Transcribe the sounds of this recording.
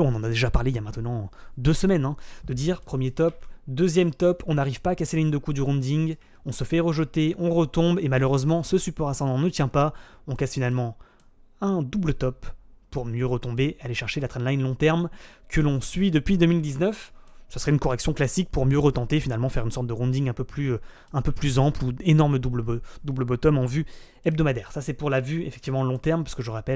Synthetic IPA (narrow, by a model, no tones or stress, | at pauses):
ɔ̃nɑ̃nad̪eʒapaʁleijamɛ̃t̪nɑ̃d̪øsəmɛnɛ̃d̪̥əd̪iːʁpχəmjet̪ɔpd̪øzjɛmt̪ɔpʰɔ̃naʁivpaːkaselaiɲd̪əkud̪yʁɔ̃d̪iŋɡ | ɔ̃səfɛʁəʒət̪eʔɔ̃ʁət̪ɔ̃bemaløʁøzmɑ̃səsypɔʁasɑ̃d̪ɑ̃nət̪jɛ̃paɔ̃kasfinalmɑ̃ | ɛ̃d̪ublət̪ɔpːuʁmjøʁət̪ɔ̃bealeʃɛʁʃelat̪χɛ̃nlajnlɔ̃t̪ɛʁmkəlɔ̃sɥid̪əpɥid̪əmild̪iznœfsə̥səʁɛynkɔʁɛksjɔ̃klasik̚puʁmjøʁət̪ɑ̃t̪efinalmɑ̃fɛʁynsɔʁt̪̚d̪əʁɔ̃d̪iŋɛ̃pøply | ɛ̃pøplyzɑ̃pluenɔʁməd̪ublbd̪ubləbɔt̪ɔmɑ̃vy | ɛb̚d̪ɔmad̪ɛːʁsasɛpuʁlavyefɛ̥k̚t̪ivmɑ̃lɔ̃t̪ɛʁmpɥi̥skəʒəʁapɛl